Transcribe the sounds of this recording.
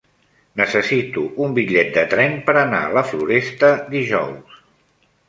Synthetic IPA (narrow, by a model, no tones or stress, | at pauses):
nəsəsit̪uumbiʎɛt̪̚d̪ət̪ɾɛnpəɾəna̰ələfluɾɛst̪əd̪iʒɔ̰ws